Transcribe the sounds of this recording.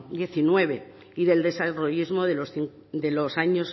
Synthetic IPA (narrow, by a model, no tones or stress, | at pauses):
d̪je̞θinwe̞β̞e̞ | iðe̞ld̪e̞saroizmo̞ðelosiŋ | d̪e̞losaɲo̞s